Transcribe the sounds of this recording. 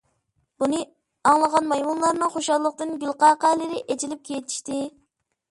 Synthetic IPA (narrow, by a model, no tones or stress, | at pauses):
b̥unɨ | ɑŋlˠəʁɑnmɑjmunlˠɑɾnɨŋχoʃɑllˠəq̚t̪ɨnɡʲylˠqɑːqælɪɾɪʔet͡ʃilɪp̚kʲʰejt̪ʰi̥ʃt̪ɪ